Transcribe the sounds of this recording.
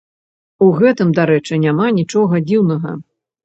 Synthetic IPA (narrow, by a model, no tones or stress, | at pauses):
uɣɛt̪ɨmd̪aɾɛt͡ʂɨnʲamanʲit͡ʂɔɣɐd͡zʲiwnɐɣɐ̰